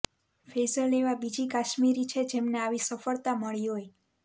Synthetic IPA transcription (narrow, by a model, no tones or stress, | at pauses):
fezəleʋabid͡ʒikaʃmiɾit͡ʃʰed͡ʒemneaʋisəfəɭt̪aməɭiɦoj